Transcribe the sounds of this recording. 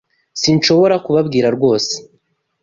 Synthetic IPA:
sinʃo̞βo̞ɾakuβabɡiːɾaɾɡwo̞ːse̥

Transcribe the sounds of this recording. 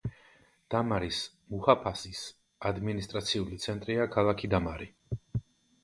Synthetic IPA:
d̪̥amaɾis | muhapʰasis | ad̪minist̪ʼɾat̪sʰiulit̪sʰɛnt̪ʼɾiakʰalˠakʰid̪amaɾi

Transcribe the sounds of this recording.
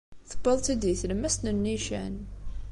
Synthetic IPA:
θə̥bəlˤt̪id̪iθləmæst̪nənːiʃæ̰n

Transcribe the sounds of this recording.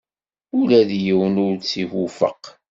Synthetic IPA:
ʊlæðjiwənʊɾt͡sːihufə̰q

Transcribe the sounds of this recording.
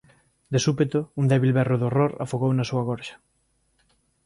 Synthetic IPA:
d̪esupet̪ound̪ɛβilβɛroðoroɾa̰foɣownɐsuɐɣɔɾʃɐ̥

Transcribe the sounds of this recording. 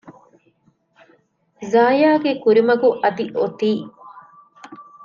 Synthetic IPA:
zaːjaːɡekuɾimɐɡuʔɐd̪iʔot̪iː

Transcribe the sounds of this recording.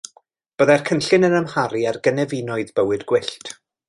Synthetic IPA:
b̥əðarkʰənɬɪnənəmhaɾiarɡənɛvinɔɨðbəwɨdɡ̥wɪɬtʰ

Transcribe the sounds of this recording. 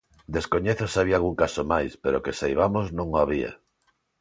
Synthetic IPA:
d̪eskoɲeθosaβialɣuŋkasomajspeɾokesajβamoznõŋoaβ̞ia̰

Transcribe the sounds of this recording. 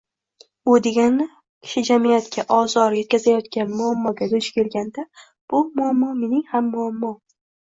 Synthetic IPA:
ʊd̪eɡʲanɪ | kʲʰɪ̥ʃɪd͡ʒamijat̪kʲʰaʔɒzɒɾje̞t̪̚kʲʰazajɒt̪kʲʰanmʊamːɒɡʲad̪ʊt͡ʃkʲe̞lɡʲand̪a | b̥ʊmʊamːɒme̞nɪŋhamːʊamːɒ

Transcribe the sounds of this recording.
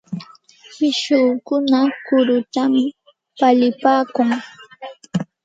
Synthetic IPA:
pɪʃʊːkʊnakʊɾʊt̪amɪ | paʎɪpaːkʊŋ

